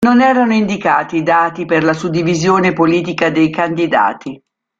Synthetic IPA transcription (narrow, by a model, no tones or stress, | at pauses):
nonɛːɾanoind̪ikaːt̪id̪aːt̪iperlasud̪ːivizjoːnepoliːt̪̬ikad̪ejkand̪id̪a̰ːt̪i